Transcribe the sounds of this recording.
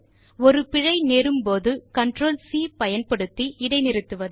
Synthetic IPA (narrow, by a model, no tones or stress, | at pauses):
ɔɾɯpɪɻɐɪneːɾɯmpoːðɯkɐɳʈroːlsiːpɐjɐnpɐɽɯt̪ːiʔɪɽɐɪnɪɾɯt̪ːɯʋɐð